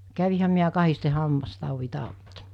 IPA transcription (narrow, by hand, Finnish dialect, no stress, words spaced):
kæʋihæm miæ kɑhiste hɑmːɑstɑˑuʋi tɑˑutːɑ